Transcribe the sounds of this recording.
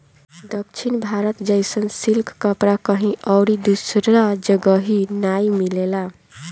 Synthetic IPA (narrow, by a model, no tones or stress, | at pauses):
d̪ʌk̚t͡ʃʰinbʱaɾət̪d͡ʒʌjsənsilkʰːəpɾakʌɦĩʔʌɾid̪usɾad͡ʒəɡəɦinajmilela